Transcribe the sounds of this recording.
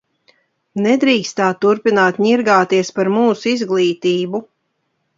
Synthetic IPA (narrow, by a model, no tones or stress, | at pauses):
nɛd̪ɾiːkst̪aːt̪ːuɾpinaːt̪ɲiɾɡaːt̪iɛspaɾmuːsizɡlˠiːt̪iːbu